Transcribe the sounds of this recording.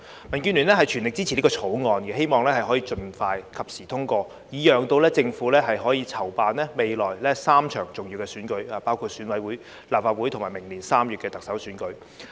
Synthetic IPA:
mɐ˨˩nkyː˧nlyː˨˩nlɛː˥ɦɐ˨jt͡ʃʰy˨˩nlɪ˨k̚t͡si˥i˨˩li˥kɔː˧t͡sʰo˨˥wŋɔː˧nkɛ˧ɦe˥jmɔː˨ŋlɛː˥hɐ˨jɦɔː˨˥jiː˧t͡ʃɵ˨˧nfaː˧jkʰɐ˨p̚siː˨˩t̪ʰʊ˥ŋkɔː˧ | jiː˨˥jœː˨ŋt̪o˧wlɛː˥t͡sɪ˧ŋfu˨˥lɛː˥ɦɐ˨jɦɔː˨˥jiː˧t͡sʰɐ˨˩wpaː˨nlɛː˥me˨jlɔː˨˩jlɛː˥saː˥mt͡ʃʰœ̰ː˨˩ŋt͡sʊ˨ŋjiː˨˧wkɛː˧syː˨˥nkɵ˨˧ɥaː˨˩paː˥wkʰuː˨˧t̚syː˨˥nwɐ˨˥jwuː˨˥j | laː˨p̚faː˧t̚wu˨˥jt̪ʰʊ˨˩ŋmaː˨˩jmɪ˨˩ŋliː˨˩nsaː˥mjyː˨tkɛː˧t̪ɐ˨k̚sɐ˨˥wsyː˨˥nkɵ˨˧˥ɥ

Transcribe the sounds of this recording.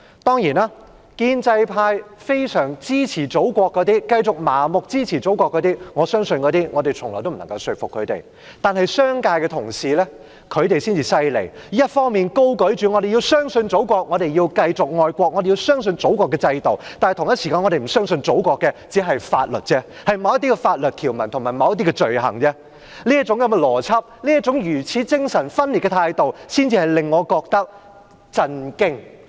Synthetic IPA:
t̪ɔː˥ŋjiː˨˩naː˥ | kiː˧nt͡sɐ˧jpʰaː˧jfe˥jsœː˨˩ŋt͡siː˥t͡sʰiː˨˩t͡so˨˥wkʷɔː˧kːɔː˨˧t̪iː˥kɐ˧jt͡sʊ˨k̚maː˨˩mʊ˨k̚t͡siː˥t͡sʰiː˨˩t͡so˨˥wkʷɔː˧kːɔː˨˧t̪iː˥ŋɔː˨˧sœː˥ŋsɵ˧nkɔː˨˧t̪iː˥ŋɔː˨˧t̪e˨jt͡sʰʊ˨˩ŋlɔ̰ː˨˩t̪o˥m̩˨˩nɐ˨˩ŋkɐ˧wsɵ˨˧fʊ˨kʰːɵ˨˧ɥt̪ḛ˨j | t̪aː˨nhɐ˨jsœː˥ŋkaː˧jkɛː˧t̪ʰʊ˨˩ŋsiː˨lɛː˥ | kʰɵ˨˧ɥt̪e˨jsiː˥nt͡siː˨sɐ˧jlḛ˨˩ji˥jɐ˥t̚fɔː˥ŋmiː˨nko˥wkɵ˨˥ɥt͡ʃyː˨ŋɔː˨˧ɾe˨˩jiː˧wsœː˥ŋsɵ˧nt͡so˨˥wkʷɔː˧k̚ŋɔː˨˧ɾe˨˩ji˧wkɐ˧jt͡sʊ˨k̚ŋɔː˨˧jkʷɔː˧k̚ŋɔ˨˧te˨jiː˧wsœː˥ŋs̬ɵ˧nt͡so˨˥wkʷɔː˧kːɛː˧t͡sɐ˧jt̪o˨wt̪aː˨nht̪ʰʊ˨ŋjɐ˥tsi˨kaː˧nŋɔ˨˧ɾe˨˩m̩˨˩sœː˥ŋsɵ˧nt͡so˨˥wkɔː˧kːɛ˧t͡siː˨˥ɦɐ˨jfaː˧t̚lɵ̰˨˩t̚t͡sɛː˥ | hɐ˨jmɐ˨˧wjɐ˥t̪i˥kɛ˧faː˧t̚lɵ˨t̚kʰiː˨˩wmɐ˨˩nt̪ʰʊ˨˩maː˨˩jmɐ˨˧wjɐ˥t̪̬i˥kɛː˧t͡ʃɵ˨ɥɦɐ̰˨˩ŋt͡sɛː˥ | liː˥ɐ˥t̚t͡sʊ˨˥ŋkɐ˨˥mɛ˧lɔː˨˩t͡sʰɐ˥p̚liː˥jɐ˥t̚t͡sʊ˨˥ŋjyː˨˩t͡sʰiː˨˥t͡sɪ˥ŋsɐ˨˩nfɐ˥nli˨t̚kɛː˧t̪ʰaː˧jt̪o˨wsiː˥nt͡si˧hɐ˨˩jlɪ˨ŋːɔː˨˧kɔː˧k̚t̪ɐ˥k̚ | t͡sɐ˧nkɪ˥ŋ

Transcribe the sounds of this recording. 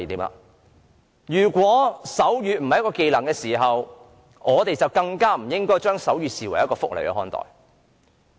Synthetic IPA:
t̪iː˨˥ma̰ː˧ | jyː˨˩kʷɔː˨˥sɐ˨˥wjyː˨m̩˨˩ɐ˨jkɔː˧ke˧jlɐ˨˩ŋkɛː˧siː˨˩ɦɐ˨w | ŋɔː˨˧t̪e˨jt͡sɐ˨wkɐ˧ŋkaː˥m̩˨˩jɪ˥ŋkɔː˥jt͡ʃœː˥ŋsɐ˨˥wɥyː˨siː˨wɐ˨˩jɐ˥t̚kɔː˧fʊ˥k̚lḛ˨˩jkɛ̰˧hɔː˥nt̪ɔ̰ː˨j

